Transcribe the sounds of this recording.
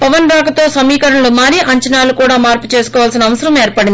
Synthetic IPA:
pɐʋɐnɾaːkɐt̪o̞ːsɐmiːkɐɾɐɳɐlumaːɾiːʔɐɲt͡ʃɐnaːlukuːɽaːmaːɾpu̥t͡ʃeːsu̥kɔːʋaːlsinɐːʋɐsɐɾɐme̞ːɾpɐɽind̪i

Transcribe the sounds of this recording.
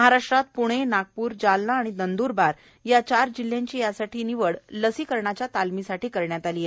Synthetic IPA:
məɦaɾaʂʈɾat̪̚puɽ̃enaɡ̚puːɾd͡ʑalnaːɽ̃id̪ənd̪uːɾbaɾ | jat͡ɕaɾd͡ʑil̤ːjãɲt͡ɕiːjasaʈʰiːniʋəɽləsiːkəɾɳat͡ɕjat̪almisaʈiːkəɾɳjat̪alije

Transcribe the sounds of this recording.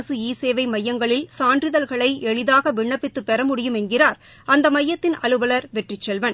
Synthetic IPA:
ɐsɯiːseːʋɐɪmɐjːɐŋɡɐɭɪlsaːɳdrɪðɐlɣɐɭɐɪʔɛɭɪðaːɣɐʋɪɳːɐpːɪt̪ːɯpːɛɾɐmʊɽɪjɯmɛnɡɪraːɾ | ɐnd̪ɐmɐjːɐt̪ːɪnɐɻɯʋɐlɐɾʋɛʈrɪt͡ʃːɛlʋɐn

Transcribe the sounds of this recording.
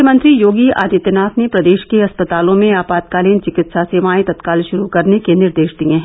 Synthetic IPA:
əmə̃nt̪ɾijoːɡia̰ːd̪it̪ənaːt̪nepɾɐd̪eːʃkeɐspət̪aːlõmẽaːpaːt̪̚kaːliːnt͡ʃɪkɪt̪saseːʋaːẽt̪ɐt̪kaːlʃʊɾukɐɾnekenɪɾd̪eːʃd̪iẽɦɛ̃

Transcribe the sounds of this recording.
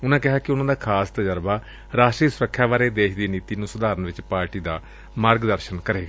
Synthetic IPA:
ʊnãːkɪɦaːkɪʊnãːd̪aːkʰaːst̪əd͡ʒəɾbaː | ɾaːʃʈɾiːsʊɾəkʰʃaːbaːɾeːd̪eːʃd̪iːniːt̪iːnũːsʊd̪aːɾənʋɪt͡ʃpaːɾʈiːd̪aː | maːɾɡd̪əɾʃənkəɾeːɡaː

